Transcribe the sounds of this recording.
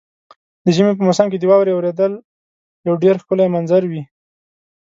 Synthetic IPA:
d̪əʒəmep̬əmʊsamk̬ed̪əwɑwɾeawɾed̪əl | jawɖeɾxkəlaemanzaɾwi

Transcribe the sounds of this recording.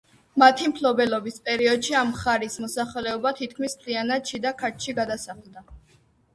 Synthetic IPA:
mat̪ʰimpʰlɔbɛlɔbispʼɛɾiɔd̪ʃiamχaɾismɔsaχlɛɔbat̪ʰit̪̚kʰmispʰlianaʃid̪akʰaɾt̪ʰʃiɡad̪asaχlˠd̪a

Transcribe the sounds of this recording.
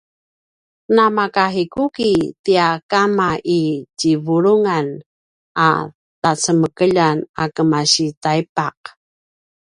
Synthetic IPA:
ənamakaɦikukitiakamaʔicivuɾuŋan | a̰ | tat͡səməkəʎanakəmaɕitajpaq̚

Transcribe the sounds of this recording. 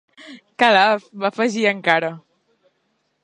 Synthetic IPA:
kalaβafəʒiəŋkaɾə

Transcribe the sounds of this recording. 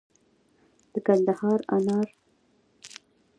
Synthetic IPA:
d̪̥əkand̪ahɑɾa̰nɑɾ

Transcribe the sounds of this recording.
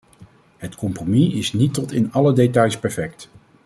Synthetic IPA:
ɦətkɔmpromiɪsnitɔtɪnɑlədetɑjspɛɹfɛkt

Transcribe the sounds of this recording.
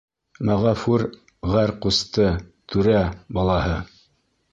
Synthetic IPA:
mæʁɑfuɾ | ʁæɾqust̪ɤt̪ʰʉɾæbɑlˠɑhɤ

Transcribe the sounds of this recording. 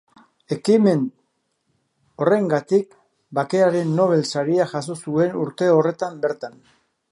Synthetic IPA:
e̞kime̞n | o̞re̞ŋɡat̪ik̚ | bake̞aɾe̞nːo̞β̞e̞lsaɾiaʝaso̞sue̞nuɾt̪e̞o̞re̞t̪ambe̞ɾt̪an

